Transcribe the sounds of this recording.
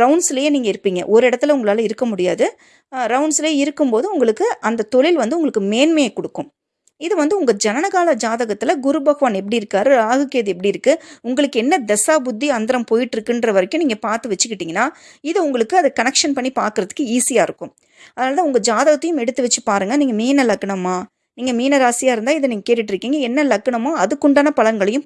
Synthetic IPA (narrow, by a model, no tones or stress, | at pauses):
ɾɐʊnsɪlɐjeːniːŋɡɐɪɾɯpːiːŋɡɐ̰ʔɔɾɯɪɽɐt̪ːɪlɐʊŋɡɐɭaːlɐɪɾɯkːɐmʊɽɪjaːðɯ | ɾɐʊnsɪleːɪɾɯkːɯmpoːðɯʊŋɡɐɭɯkːɯʔɐnd̪ɐt̪ɔɭɪlʋɐnd̪ɯʊŋɡɐɭɯkːɯmeːnmɐjɐkɔɽɯkːɯ̃m | ɪðɯʋɐnd̪ɯʊŋɡɐd͡ʒɐnɐnɐɣaːlɐd͡ʒaːðɐɣɐt̪ːɪlɐɡʊɾɯbɐɣɐʋaːnɛpːɐɽiɪɾɯkːaːɾɯɾaːɣɯkːeːðɛpːɐɽiɪɾɯkːɯʊŋɡɐɭɯkːɛnːɐd̪ɛsaːbʊd̪ːiɐnd̪ɐɾɐmpoːjɪʈːɪɾɯkːɪndɾɐʋɐɾɐkʲːʊ̃niːŋɡɐpaːɾt̪ɯʋɐt͡ʃːɯkːɪʈːiːŋɡɐnːaː | ɪðɯʊŋɡɐɭɯkːɯɐðɯkɐnɛkʂɐnpɐɳːipaːɾkɯɾɐðɯkːɯiːsɪjaːɪɾɯkːʊ̃m | ɐðɐnaːlt̪ãːʊŋɡɐd͡ʒaːðɐɣɐt̪ːɐjɯmɛɽɯt̪ːɯʋɛt͡ʃːɯpaːɾɯŋɡɐniːŋɡɐmiːnɐlɐkːɐɳɐmːaː | niːŋɡɐmiːnɐɾaːsɪjaːɪɾɯnd̪aːɪðɯniːŋɡɐkeːʈːɪʈːɪɾɯkːiːŋɡɐɛnːɐlɐkːɐɳɐmːaːɐðɯkːʊɳɖaːnɐpɐlɐŋɡɐɭɐjɯ̃m